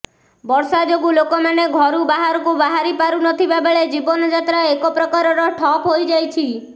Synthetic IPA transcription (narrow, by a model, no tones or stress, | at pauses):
bɔɾsad͡ʒoɡulokɔmaneɡʱɔɾubaɦaɾɔkubaɦaɾipaɾunɔt̪ʰibabeɭed͡ʒibɔnɔd͡ʒat̪ɾaekɔpɾɔkaɾɔɾɔʈʰɔpɦojd͡ʒajt͡ʃʰi